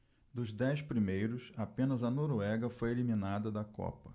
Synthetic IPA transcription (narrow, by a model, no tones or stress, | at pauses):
d̪ʊzd̪ɛjspɾimejɾʊsapẽnɐzɐnoɾwɛɡɐfojelimĩnad̪ɐd̪ɐkɔ̰pɐ